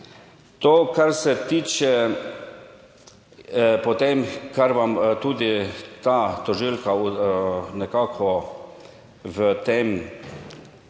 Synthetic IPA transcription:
t̪oːkaɾsɛt̪iːt͡ʃɛ | pɔt̪emkaɾʋamt̪uːd̪it̪at̪ɔʒilka | nɛkaːkʰɔ | ʋət̪em

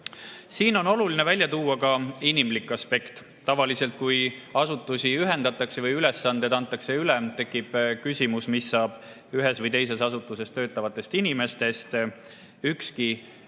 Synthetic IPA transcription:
siːno̞no̞lulinevælʲjɑt̪uːɑkɑinimlikːˑɑspe̞kt̪ | t̪ːɑvɑlise̞lt̪̚kujɑsut̪ːˑusiyɦe̞nd̪ɑt̪ːˑɑkse̞vɤjyle̞sːɑnd̪̥et̪ɑnt̪ˑːɑkse̞ylɛt̪e̞kːˑib̥kysʲimusmisːɑːb̥ | yɦesvɤjt̪e̞jse̞sɑsut̪ːˑuse̞st̪ø̞ːt̪ːˑɑvɑt̪ːˑe̞st̪inime̞st̪e̞st̪ | ykski

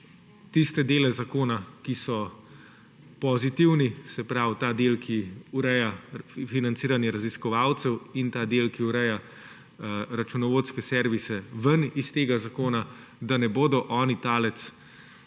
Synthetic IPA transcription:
t̪ist̪ɛd̪eːlɛzakoːnakisɔ | pɔzit̪iwnisɛpɾawt̪aːd̪eːlkʰiuɾɛjafinant̪siːɾanjɛɾaziskɔʋaːwt̪sɛwint̪aːd̪eːlkiuɾɛja | ɾat͡ʃunɔʋoːt̪skɛsɛɾʋisɛʋənist̪eːɡazakoːnad̪anɛboːd̪ɔʔɔːnit̪aːlɛt̪s

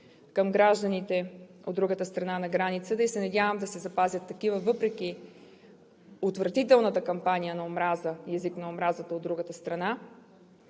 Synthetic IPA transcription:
kəmɡɾaʒd̪ənit̪ɛo̰d̪d̪ɾuɡət̪əst̪ɾɐnanɐɡɾanit̪sət̪əisɛnɐdʲavəmd̪ɐsɛzɐpazʲət̪ːɐkivəvɤpɾɛk̟i | ot̪vɾɐt̪it̪ɛlˠnət̪əkɐmpanijənɐomɾazəjɛziknɐomɾazət̪əod̪ɾuɡət̪əst̪ɾɐna

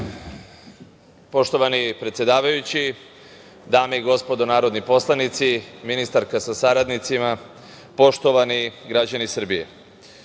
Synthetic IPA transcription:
po̞ʃt̪o̞ʋanipɾet̪sjed̪aːʋajut͡ɕi | d̪aːmeiɡo̞spo̞d̪onaːɾo̞d̪nipo̞slˠanit̪siminist̪aɾkasasaɾad̪nit̪sima | po̞ʃt̪o̞ʋaniɡɾad͡ʑanisr̩bijḛ

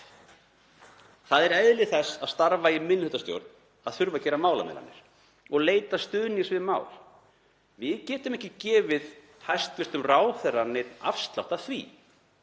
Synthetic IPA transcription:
θaðɛɾɛjðlɪθɛsaðst̪aɾvaimɪnːhʏt̪ast̪jo̰wɾt̪n̥ | aðθʏɾvacɛːɾamaːwlamɛ̰la̰nːɪɾ̥ | ɔɣleːjt̪ast̪ʏːðnisvɪðma̰ːwl | vɪðcɛːt̪ʏmɛhcɪcɛːvɪð | hajst̪ʏst̪ʏmraːwθɛɾanːɪta̰fst̪la̰wht̪aθvḭ

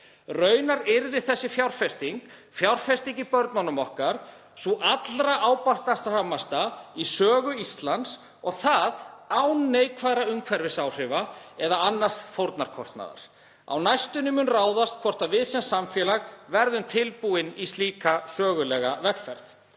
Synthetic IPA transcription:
rœːɥnaɾɛɾɪɾɪθɛsːɪfjawr̥fɛst̪iŋk | fjawr̥fɛst̪iŋcipœɾt̪nanʏmɔhkaɾ̥ | suʔat̪lɾaʔaːwpast̪ast̪ahamːast̪aisœːɣʏist̪lant̪s | ɔɣθaðawnːeːjkʰvaðɾaʏŋkʰvɛɾvɪsaːwr̥ɪvaɛðaanːast̪fowɾt̪naɾ̥kʰɔst̪na̰ða̰ɾ̥ | a̰wnajst̪ʏnʏmʏnraːwðast̪̚kʰvɔr̥t̪avɪðsɛnsamfjɛːlaɣvɛɾðʏmt̪ʰɪlpuɪnist̪liːkasœːɣʏlɛːɣavɛxfɛɾθ

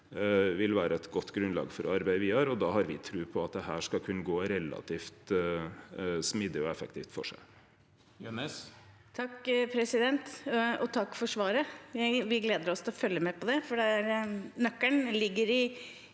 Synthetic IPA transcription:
ʋɪlʋæːɾəɛt̪ɡɔt̪ːɡɾʉnlɑ̰ːɡfɔɾɔɑɾbæɪʋɪɑɾɔd̪ɑːɦɑɾʋɪt̪ʰɾʉːpʰɔɑt̪̚d̪ɛhæːʂkɑkʰʉnːəɡoːɾɛlɑ̰t̪ʰiːft̪ | smɪd̪əɔɛfə̰kt̪iːft̪fɔ̰ʂæ̰ɪ | jnɛs | t̪ʰɑkːpʰɾɛsɪd̪ɛnt̪ɔt̪ʰɑkːfɔʂʋɑːɾəjæɪʋɪɡleːd̪əɾɔst̪ɪlɔfœlːəmɛpʰɔd̪ɛfɔɖɛæɾnœkːæɳlɪɡːəɾɪ

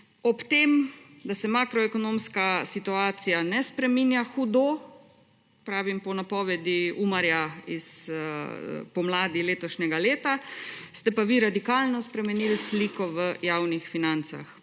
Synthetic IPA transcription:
ɔpt̪eːm | d̪asɛmaːkɾɔɛkɔnõmskasit̪uaːt̪sijanɛspɾɛmiːnjaxud̪o | pɾaːʋimpɔnapɔːʋɛd̪iumaɾjais | pɔmlaːd̪ileːt̪ɔʃnɛɡaleːt̪ast̪ɛpaʋiɾad̪ikaːlnɔspɾɛmɛniːlisliːkɔʋəjaːwnixfinant̪sa̰x

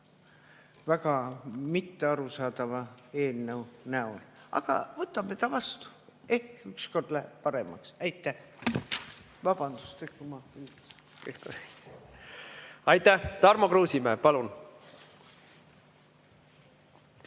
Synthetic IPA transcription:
væɡ̥ɑmit̪ːeɑɾusɑːd̪̥ɑvɑe̞ːlnewnæolɑ̰ɡ̥ɑ̰vɤt̪ːˑɑmːet̪ɑvɑst̪u̥ | e̞hkyksko̞rlepɑɾe̞mɑ̰ksæjt̪ːˑæh | vɑb̥ɑnd̪u̥st̪ekːumɑyl | s | keko | ɑjt̪ˑːæht̪ɑɾmokɾuːsimeːpɑlun

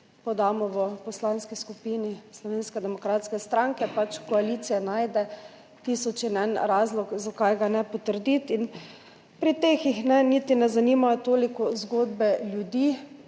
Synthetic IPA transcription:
pɔd̪aːmɔʋəpɔslanskiskupiːnislɔʋeːnskɛd̪ɛmɔkɾaːt̪skɛst̪ɾaŋkɛpat͡ʃkɔaliːt̪sijɛnaːjd̪ɛ | t̪isɔt͡ʃinɛnɾaːzlɔkzakajɡanɛpɔt̪əɾd̪it̪in | pɾit̪exixnɛnit̪inɛzanimat̪oːlikɔzɡoːd̪bɛljud̪i

